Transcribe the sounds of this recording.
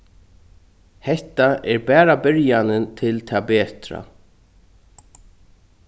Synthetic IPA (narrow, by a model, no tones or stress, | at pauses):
hɛht̪aɛɾbɛːɾabɪɾjanɪnt̪ʰɪlt̪ʰaːbɛːt̪ɾa̰